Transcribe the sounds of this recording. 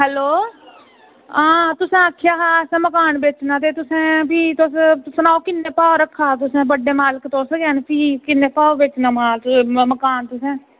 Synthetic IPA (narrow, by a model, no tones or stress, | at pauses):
ɦɛːloː | ãːt̪ʊsẽːəkʰːjaːɦaːsɛ̃ːməkaːnbeːt͡ʃnãːt̪eːt̪ʊsẽːpiːt̪ossnaːokɪnːeːpaːoɾəkʰːaːt̪ʊsẽːbəɖeːmaːləkt̪oːsɡɛːnpʰiːkɪnːeːpaːobeːt͡ʃnaːãːməkaːnt̪ʊsẽː